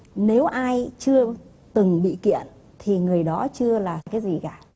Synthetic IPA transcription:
ne˨˦wʔaː˧jt͡ɕɨ˧ə | t̪ɨ˨˩ŋɓḭ˧˨kḭ˧˨ən | t̪ʰi˨˩ŋɨ˨˩əjɗɔ˨˦t͡ɕɨ˧əlaː˨˩kaː˨˦jzi˨˩kaː˧˩

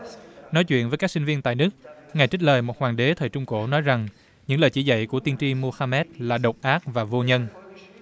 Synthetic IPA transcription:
nɔ˨˦jt͡ɕwḭ˧˨ənvəː˨˦kaː˦˥ksi˧ŋ̟vi˧ənt̪a̰ː˧˨jnɨ˦˥ək̚ŋa˨˩jt͡ɕi˦˥k̚ləː˨˩jmo˨˩t̚hwaː˨˩ŋɗe˨˦t̪ʰəː˨˩jt͡ɕʊ˧ŋ͡mko˧˩nɔ˨˦jza˨˩ŋ | ɲɨ̰˧˥ŋləː˨˩jt͡ɕḭ˧˩zə̰˧˨jku˧˩ət̪i˧ənt͡ɕi˧mu˧xaː˧mɛ˦˥t̚laː˨˩ɗə˨˩wk͡p̚ʔaː˦˥k̚vaː˨˩vo˧ɲə˧n

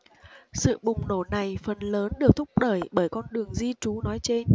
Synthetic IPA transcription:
sɨ̰˧˨ɓʊ˨˩ŋ͡mno˧˩na˨˩jfə˨˩nləː˨˦nɗɨ˨˩ək̚t̪ʰʊ˦˥k͡p̚ɗəː˧˩jɓəː˧˩jkɔ˧nɗɨ˨˩əŋzi˧t͡ɕu˨˦nɔ˨˦jt͡ɕe˧n

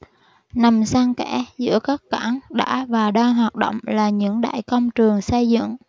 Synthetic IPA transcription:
na˨˩msaː˧ŋkɛ˧˥zɨ̰˧˥əkaː˦˥k̚kaː˧˩˦ŋɗa̰ː˧˥vaː˨˩ɗaː˧ŋɦwaː˨˩t̚ɗo̰˧˨wŋ͡mlaː˨˩ɲɨ̰˧˥ŋɗa̰ː˧˨jkə˧wŋ͡mt͡ɕɨ˨˩əŋsə˧jzɨ̰˧˨ŋ

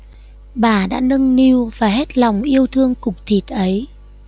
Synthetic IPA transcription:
ɓaː˨˩ɗa̰ː˧˥nə˧ŋni˧wvaː˨˩ɦe˦˥t̚la˨˩wŋ͡mʔi˧əwt̪ʰɨ˧əŋkʊ˨˩k͡p̚t̪ʰi˨˩t̚ʔə˨˦j

